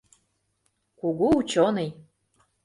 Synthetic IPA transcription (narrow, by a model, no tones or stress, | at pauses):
kuɣuut͡ɕonej